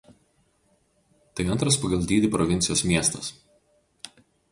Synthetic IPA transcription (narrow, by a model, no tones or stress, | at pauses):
t̪ɐɪɐnt̪ɾɐspɐɡɐlˠd̪ʲiːd̪ʲɪpɾɔʋʲɪnʲtsʲɪjoːsmʲiɛst̪ɐs